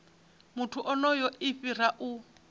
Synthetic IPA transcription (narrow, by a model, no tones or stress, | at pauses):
mutʰuʔɔnɔjɔɪɸiraʔu